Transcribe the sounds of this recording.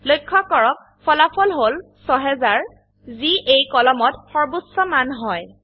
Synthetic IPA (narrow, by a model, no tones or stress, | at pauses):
lojkʰːɔkɔɹɔk̚ | fʰɔlapʰɔlɦol | sɔɦɛzaɹ | ziʔejkɔlɔmɔtxɔɹbusɔmanɦɔj